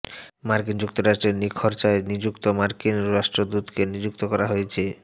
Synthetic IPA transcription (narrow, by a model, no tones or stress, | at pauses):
maɾkind͡ʑuk̚t̪oɾaʃʈɾeɾnikʰoɾt͡ɕaenid͡ʑukt̪omaɾkinɾaʃʈɾod̪ut̪kenid͡ʑuk̚t̪okɔɾaɦojet͡ɕʰe